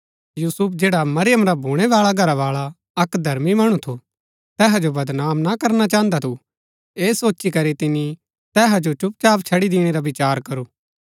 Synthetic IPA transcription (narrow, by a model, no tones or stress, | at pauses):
juːsʊp̚ʰd͡ʒeːɽamɐɾɪjəmɾabʱuːɽ̃eʋaːɭaɡʱɐɾaʋaːɭa | ɐkd̪ʱɐɾmimɐɽ̃ũt̪ʰo | t̪ɛːɦad͡ʒobɐd̪naːmnakɐɾnat͡ʃãːənd̪at̪ʰu | eːsoːt͡ʃikɐɾit̪ɪni | t̪ɛːɦad͡ʒot͡ʃʊp̚t͡ʃaːpt͡ʃʰɐɽid̪ɪːɽ̃eɾabɪt͡ʃaːɾkɐɾuː